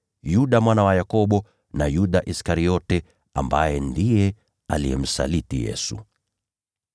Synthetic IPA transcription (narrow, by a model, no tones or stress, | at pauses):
juɗamwanawajakɔɓɔ | najuɗaʔiskaɾiɔtɛ | ambajɛndijɛ | a̰liɛ̰m̩sa̰litijɛ̰su